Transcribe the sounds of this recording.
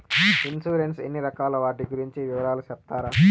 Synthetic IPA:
insuːɾensenːiɾɐkaːlɐʋaːʈiɡuɾiɲt͡ʃiʋiʋɐɾaːlut͡ʃɛp̚t̪aːɾaː

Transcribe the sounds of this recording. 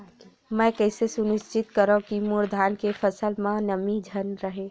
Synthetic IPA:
mɛ̃kəɪsesʊnɪst͡ʃɪt̪kəɾõkimuɾd̪ʱaːnkefʰəsəlmãnəmid͡ʒʱənɾəɦe

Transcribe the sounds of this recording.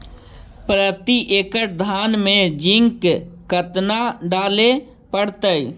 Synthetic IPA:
pɾət̪iʔeːkəʈ̚d̪ʱaːnmẽd͡ʒɪ̃ŋkkət̪naɖaːle | pəɽt̪əj

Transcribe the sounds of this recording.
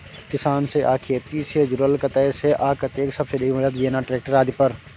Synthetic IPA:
kɪsaːnseʔaːkʰet̪iːsed͡ʒʊɾəlkɐt̪əjseʔaːkɐt̪eːksɐbseɖibɐd͡ʒət̪ʋieːnaːʈɾeːk̚ʈəɾaːd̪ipɐɾ

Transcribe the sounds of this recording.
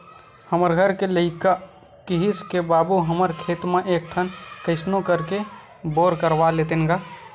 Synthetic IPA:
həməɾɡʱəɾkeləɪka | kiɦiskebaːbuɦəməɾkʰeːt̪mãʔeːk̚ʈʰənkəɪsnokəɾke | boːɾkəɾʋaleːt̪ɪnɡaː

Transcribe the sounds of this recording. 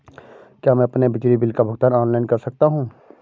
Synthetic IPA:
kjaːmɛ̃ɐpnebɪt͡ʃɾibɪlkabʱʊɡt̪əɾɔːnlaːɪnkɐɾsɐk̚t̪aɦũː

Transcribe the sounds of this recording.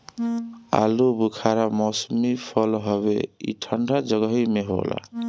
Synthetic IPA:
a̰lubukʰaɾamɔsmipʰəlɦɔβḛḭʈʰəɳɖʱad͡ʒəɡəɦimeɦo̰la̰

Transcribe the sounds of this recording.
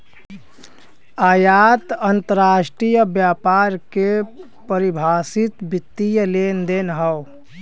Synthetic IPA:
aːjat̪ənt̪əɾaːʃʈɾijəbjaːpaɾke | pəɾibʱaːsit̪bɪt̪ːijəlend̪enɦəw

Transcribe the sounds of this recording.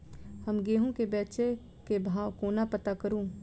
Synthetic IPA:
həmɡeːɦõkebɛːt͡ʃe | kebʱaːʋkoːnapət̪akəɾũː

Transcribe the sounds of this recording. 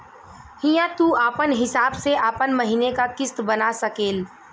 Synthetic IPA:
hijãt̪uːaːpənɦɪsaːbseʔaːpənmɐɦiːnekakɪst̪bɐnasɐkeːl

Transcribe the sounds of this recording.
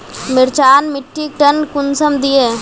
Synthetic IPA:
mɪɾt͡ʃaːnmɪʈːik̚ʈənkʊnsəmd̪ijeː

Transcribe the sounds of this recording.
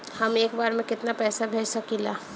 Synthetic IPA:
hɐmeːkbaːɾmẽkɪt̪napɛːsabʱeːd͡ʒsɐkilaː

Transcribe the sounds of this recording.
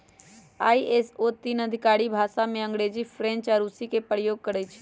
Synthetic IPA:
a̰ːiʔesot̪iːnəd̪ʱɪkaːɽibʱaːsamẽə̃ŋɡɽed͡ʑifɾẽnt͡ʃaɾusikepəɾjoːɡ̚kəɾet͡ʃʰe̥

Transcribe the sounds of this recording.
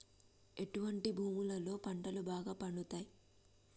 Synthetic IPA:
e̞ʈuʋɐɳʈibʱuːmulɐlo̞ːpɐɳʈɐlubaːɡaːpɐɳɖut̪aːji

